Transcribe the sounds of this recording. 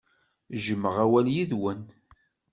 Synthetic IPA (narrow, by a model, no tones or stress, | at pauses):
ʒəməʁæwæljiðwən